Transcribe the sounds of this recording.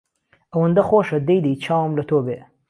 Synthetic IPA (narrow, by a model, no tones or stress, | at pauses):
awənd̪axoʂad̪əjd̪it͡ʃɑwmlat̪obe